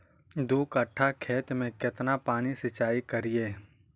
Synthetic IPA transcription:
d̪oːkəʈʰːakʰeːt̪mẽkɪt̪napaːnisɪt͡ʃaːikəɾieː

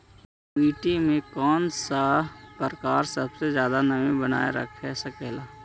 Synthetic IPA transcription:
iːʈimẽkɔːnsapəɾkaːɾsəbsezjaːd̪anɐʋĩbəna̰ːeɾə̰kʰesəkɛːlaː

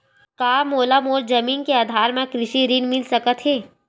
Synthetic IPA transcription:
kaːmoːlamoːɾd͡ʒɐmiːnkeaːd̪ʱaːɾmẽkɾɪʃiɾinmɪlsɐkət̪ɦeː

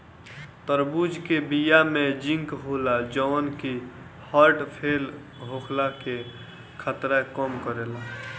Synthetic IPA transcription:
t̪əɾbud͡ʒkebijamed͡ʒĩŋkɦolad͡ʒəːnki | haɾʈpʰeːl | ɦokʰlake | kʰət̪ɾakɔmkəɾela

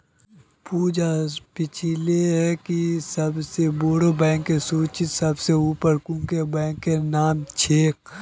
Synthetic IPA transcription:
puːd͡ʒapɪt͡ʃʰileɦɛkisɐbseboːɾobɛ̃ːŋkːesuːt͡ʃɪt̪sɐbseuːpəɾkũːkebɛ̃ːŋkːenaːmt͡ʃʰeːk̚

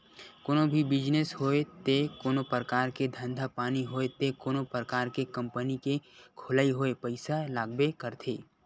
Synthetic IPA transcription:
koːnõbʱibɪd͡ʒnesɦoːet̪ekoːnopɾəkaːɾked̪ʱə̃nd̪ʱapaːniɦoːet̪ekoːnopɾəkaːɾkekɐ̃mpənikekʰʊlaːiɦoːepəɪsalaːɡbekəɾt̪ʰḛː

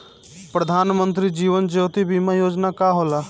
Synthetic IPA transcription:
pɾəd̪ʱaːnmənt̪̬ɾid͡ʒiːʋənd͡ʒoːt̪ibiːmajoːd͡ʒnakaɦoːlaː

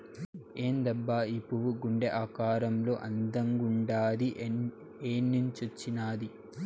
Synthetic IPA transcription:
e̞ːnd̪ɐbːaːipːuʋuɡuɳɖeʔaːkaːɾɐmlo̞ːʔɐnd̪ɐŋɡuɳɖaːd̪i | eːnːuɲt͡ʃɐt͡ʃːinaːd̪i

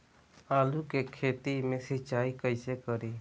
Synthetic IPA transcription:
aːlukekʰeːt̪imẽsət͡ʃaːikəɪsekəɾeː

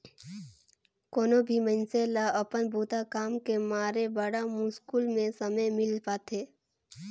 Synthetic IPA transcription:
koːnobʱimə̃nselaəpənbʱuːt̪akaːmkemaːɾebəɽamuːskuːlmẽsɐməjmɪlpaːt̪eː

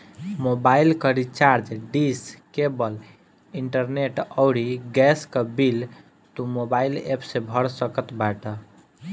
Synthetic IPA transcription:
mobailkəɾit͡ʃaɾd͡ʒɖiskebəl | iɳʈəɾneʈɔʊɽiɡɛskəbil | t̪umobailepsebʱəɽsəkət̪baʈə

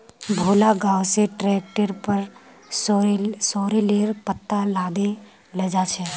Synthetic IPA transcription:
bʱoːlaɡaːwseʈɾɛːk̚ʈəɾpəɾ | ssɔːɾeleːɾpət̪ːalaːd̪e | led͡ʒat͡ʃʰɛ

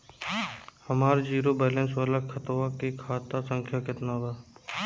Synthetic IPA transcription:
həmaːɾd͡ʒiːɾoːbɛːlẽnsʋaːlakʰət̪oʋakekʰaːt̪asə̃ŋkʰjaːkɪt̪naːʋaː

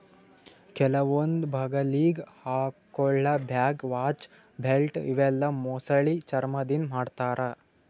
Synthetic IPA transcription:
kɛlɐʋond̪bʱaɡɐliːɡhaːkɔɭːɐbʱjaːɡʋaːt͡ʃ | bʱelʈḭʋɛlːɐmosɐɭit͡ʃɐɾmɐd̪inmaːɖt̪aːɾɐ

